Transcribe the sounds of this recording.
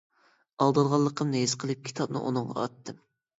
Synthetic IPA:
ɑlˠd̪ɨlˠʁɑlˠːəqʰəmneizqʰəlˠɨp̚kʲʰi̥t̪ʰɑb̚nɨ̰ʔṵnɨŋʁɑ̰ɑ̰t̪ʰːɨm

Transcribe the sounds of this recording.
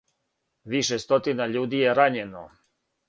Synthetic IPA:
ʋiʃest̪ot̪inaʎuːd̪ijeɾaɲeno

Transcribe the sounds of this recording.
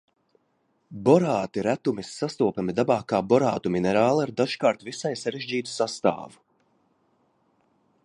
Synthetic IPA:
bɔɾaːt̪iɾæt̪umisːast̪uɔpamid̪abaːkaːbɔɾaːt̪uminɛɾaːlˠaɾd̪aʒkaːɾt̪visajsaɾeʒiːt̪u̥sast̪a̰ːvu̥

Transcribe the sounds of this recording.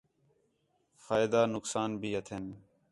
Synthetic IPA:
faːɪd̪aːnʊksaːnbʱiːɦət̪ʰen

